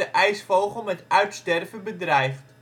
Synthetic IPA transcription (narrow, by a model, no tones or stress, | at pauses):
əʔɛjsfowχəl̩ˠmɛtœɥtstɛrvəbədrɛjf